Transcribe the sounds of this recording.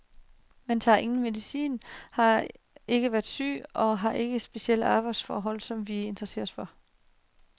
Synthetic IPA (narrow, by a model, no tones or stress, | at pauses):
mend̥ʰæɑ̈ʔe̝ŋn̩me̝ðˠisḭːnhɑ̈ | e̝ɡ̥əʋæːɐd̥sy̰ːɒ̽ɦɑ̈ʔe̝ɡ̥əsb̥e̝siel̰ɑ̈ːb̥ɑ̈ɪd̥sfɒːɦɒ̽l̰sɒ̽mʋie̝nd̥ʁɐse̝̰ːɐsfɒ